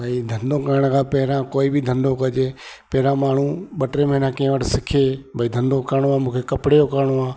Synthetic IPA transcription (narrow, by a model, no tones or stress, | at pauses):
bʱaid̪ʱənd̪õːkəɾɽ̃kʰãːpɛɦɾãːkoːibʱid̪ʱənd̪õkəd͡ʒeːpɛɦɪɾãːmaːɳ̤ũːɓəʈɾeːmẽnãːkẽɦə̃ʋəʈʰsɪkʰeːbʱaːiːd̪ʱənd̪õkəɾɳ̃oaːmũːkʰekɐpɽeːjokəɾɳoaː